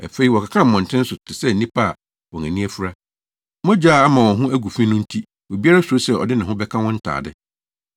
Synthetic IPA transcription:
æ̰˨fe˨i˦wɔ˨kʰa˨kʰã˦m̩˨mɔ̃˨n˨tʰɪ̃˦n̩˦sʊ˨tʰɪ˨sɛ˦˨n̩˨nĩ˦pʰa˦˨ | wɔ̃˨næ̃˨nĩ˦æ˦fu˦ɾa˦ | mɔ̃˦d͡ʑaː˦˨a˦mã˨wɔ̃˨ɦʊ̃˦æ˦ɡu˨fĩ˦nʊ̃˦n̩˦tʰi˦ | wo˨bi˦a˦ɾa˦su˨ɾo˦sɛ˦ɔ̰˨dɪ˦nã˨ɦʊ̃˦bɛ˦kʰã˦wɔ̃˦n̩˦tʰa̰ː˨dɪ̰˦

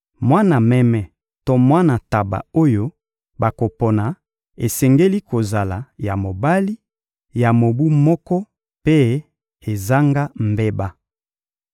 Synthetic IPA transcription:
mwa˦na˨mɛ˦mɛ˨ | to˦mwa˦na˨ta˨ba̰˨o˦jo˦ | ba˨ko˨pɔ˨na˨ | e˨sɛ˨ŋɡe˦li˦ko˨za˨la˨ja˨mo˨ba˦li˦ | ja˨mo˨bu˦mɔ˦kɔ˦ | pe˦ | e˨za˦ŋɡa˦mbe˦ba˦

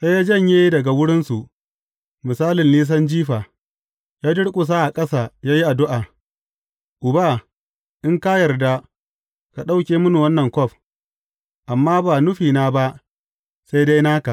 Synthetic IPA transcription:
sa˦jaː˦d͡ʒɐ˦˨ɲjeː˦dɐ˨ɡa˨wʊ˦ɽɪ˦nsu˨ʔ | mɪ˨saː˦lɪ˨nliː˦s̬ɐ˦nd͡ʒiː˦ɸaː˨ | jaː˦dɪ˦ɽkʷʼʊ˨s̬aː˦ʔa˨kʼɐ˦saː˨jaː˦ji˦ʔa˨dʊ˦ʔaː˨ | ʔʊ˨ba˦˨ | ʔɪ˦ŋka˦jɐ˨rda˦ | ka˨ɗa˦wkʲeː˨mʊ˦nu˨wɐ˦nːɐ˨ŋkʷɔ˦˨ɸ | ʔa˨mːaː˦baː˨nʊ˦ɸiː˨naː˦ba˦ʔ | sa˦jda˦jnaː˦ka˨ʔ

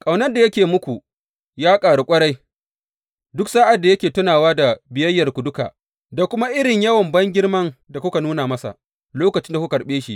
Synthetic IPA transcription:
kʼa˨wnɐ˦rda˨jɐ˦kʲeː˨mʊ˦kʷu˨ | jaː˦kʼaː˨ɽu˨kʷʼɐ˦ɽa˦j | dʊ˦ksaː˦ʔa˨dːa˨jɐ˦kʲeː˨tʊ˦naː˨waː˦da˨bɪ˨jɐ˦jːɐ˨rkʷʊ˨dʊ˦ka̰ː˨ | da˨kʷʊ˦ma˦ʔɪ˦ɽɪ˨ɲjɐ˦wɐ˨mbɐ˦ŋɡʲɪ˦rmɐ˦ŋda˨kʷʊ˦ka˨nuː˦naː˨mɐ˦sa̰˨ʔ | loː˦kɐ˨t͡ʃɪ˦nda˨kʷu˦kɐ˨ɽɓeː˦ʃḭ˦ʔ

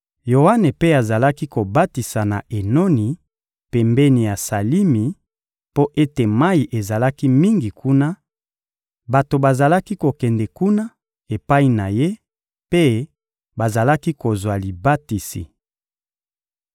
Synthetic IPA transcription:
jo˨wa˦ne˨pe˦a˨za˨la˦ki˦ko˨ba˦ti˨sa˨na˨ʔe˨no˦ni˨ | pɛ˨mbɛ˦ni˨ja˨sa˨li˦mi˨ | po˦ʔe˦te˨ma˦i˨ʔe˨za˨la˦ki˦mi˦ŋɡi˨kʰu˦na˦ | ba˨to˨ba˨za˨la˦ki˦ko˨kɛ˨ndɛ˨ku˦na˦ | e˨pa˦i˦na˨je˦ | pe˦ | ba˨za˨la˦ki˦ko˨zwa˨li˨ba˦ti˨sḭ˨

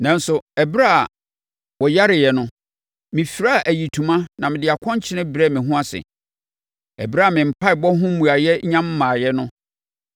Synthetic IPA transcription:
nã˨n˦sʊ˨ɛ˨bɾa˦a˨ | wɔ˨ja˦ɾɪ˨jɛ˨nʊ̃˦ | mɪ̃˨fi˨ɾa˦˨ʔæ˨ji˨tʰũ˨mã˦nã˨mɪ̃˨dɪ˨a˨kʰɔ̃˦ɲ˦t͡ɕʰɪ˦nɪ̃˦bɾɛ˦˨mɪ̃˨ɦʊ̃˦a˦sɪ̰˨ | ɛ̰˨bɾa˦a˨mɪ̃˨m̩˨pʰa˦ɪ˨bɔ˦ɦʊ̃˦mũ˨a˨jɛ˦ɲã˦mː˦ãː˨jɛ˦nʊ̃˦

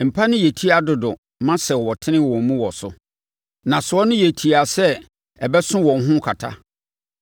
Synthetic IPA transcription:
m̩˨pʰa˦nʊ̃˦je˨tʰi˦a˨dʊ˨dʊ˨ | mã˦sɛ˨wɔ˨tʰɪ̃˦nɪ̃˦wɔ̃˨mũ˦wɔ˨sʊ̰˦ | nã˨sʊ˨ɔ˦nʊ̃˦je˨tʰi˨a˨sɛ˦ | ɛ˨bɛ˦sʊ̃˦wɔ̃˨n˦ɦʊ̃˦kʰa˨tʰa̰˦

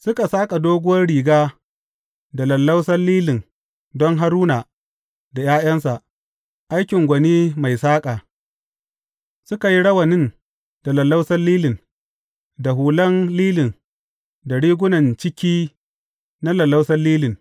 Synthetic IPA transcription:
sʊ˦ka˨saː˦kʼa˨doː˦ɡʷʊ˦wɐ˦rɽiː˨ɡaː˦ | da˨lɐ˨lːa˦wsɐ˦nliː˦lɪ˨n | dɔ˦ŋɦa˦ɾuː˦naː˨ | da˨jaː˦jɐ˦nsa˨ | ʔa˦jkʲɪ˨ŋɡʷɐ˨niː˦ma˨jsaː˦kʼaː˨ | sʊ˦ka˨ji˦ɽɐ˦wɐ˨nɪ˦n | d̥a˨lɐ˨lːa˦wsɐ˦lliː˦lɪ˨n | da˨ɦuː˨lɐ˦nliː˦lɪ˨n | da˨ɽiː˦ɡʷʊ˦nɐ˨nt͡ʃɪ˦kʲiː˦ | na˦lɐ˨lːa˦wsɐ˦lliː˦lɪ˨n

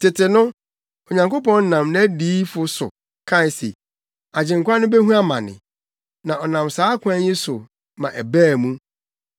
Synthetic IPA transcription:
tʰɪ˨tʰɪ˨nʊ̃˦ | o˨ɲã˨ŋko˦pɔ̃˦n˦nã˨mnã˦diː˨˦fʊ˦sʊ̰˨ | kʰã˦˨n˨sḛ˨ | a˨d͡ʑɪ̃˨ŋ˨kʷa˦nʊ̃˦be˦ɦũ˦a˦mã̰˨nɪ̰̃˨ | nã˨ʔɔ˨nã˨msaː˨˦kʰʷã˦ɲɪ̃˦sʊ˨ | mã̰˨ʔæ˨bæː˦˨mũ˦

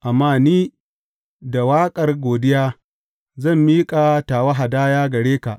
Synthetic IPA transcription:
ʔa˨mːaː˦˨niː˦ | da˨waː˦kʼɐ˨rɡʷoː˨dɪ˦jaː˦ | zɐ˦˨mːiː˦kʼa˨taː˨wa˦ɦa˨daː˦jaː˦ɡɐ˨ɽeː˦ka̰˨ʔ

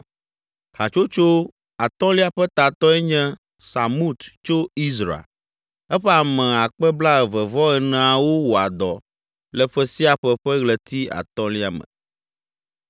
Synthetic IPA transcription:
ha˨t͡ʃo˦t͡ʃo˦ | a˨t̪ɔ̃˦li˦a˦ɸɛ˦t̪a˨t̪ɔ˦ɛ˦ɲɛ̃˦ | sa˨mu˦t̪t͡ʃo˦i˦zɾa̰˨ | ɛ˦ɸɛ˦a˨mɛ̃˨a˨k͡pɛ˦bla˦ɛ˨vɛ˨vɔ˦ɛ˨nɛ̃˨a˨wo˦wo˨a˨d̪ɔ˨ | lɛ˨ɸɛ˦si˦a˨ɸɛ˦ɸɛ˦ɣlɛ˨t̪i˦a̰˨t̪ɔ̃˦li˦a˨mɛ̰̃˨

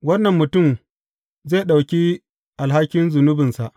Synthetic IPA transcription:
wɐ˦nːɐ˨mːʊ˨tʊ˦˨m | ze˦˨ɗa˨wkʲi˦ | ʔa˨lɦa˦kʲːɪ˦nzʊ˨nʊ˦bɪ˨nsa˨ʔ

